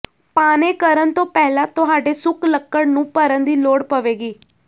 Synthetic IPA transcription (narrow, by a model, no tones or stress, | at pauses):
paːneːkəɾənt̪õːpɛːlãːt̪ʊɦaːɖeːsʊkləkːəɽnũːpəɾənd̪iːloːɽpəʋeːɡiː